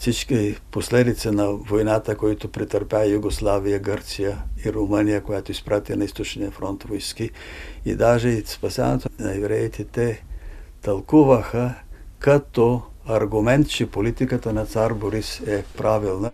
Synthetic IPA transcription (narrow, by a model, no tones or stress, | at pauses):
fsit͡ʃkiposlɛd̪it̪sənɐvojnat̪əkoit̪opɾit̪əɾpʲjajuɡoslˠavijəɡəɾt̪sijəiɾomənijəkojat̪oispɾat̪inɐist̪ot͡ʃnijəfɾɔnt̪vojski | ḭd̪aʒɛspɐsa̰nɛt̪onɐɛvɾɛt̪it̪ɛt̪ɐlˠkuvəxəkɐt̪ɔɐɾɡumɛnt̪t͡ʃɛpolit̪ikət̪ənɐt̪saɾboɾisɛpɾʔavilˠnə